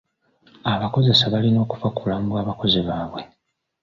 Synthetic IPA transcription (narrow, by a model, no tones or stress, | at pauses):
aβako̞ze̞saβalino̞ːku̥fakulaːmbwaːβako̞ziβaːβwe̞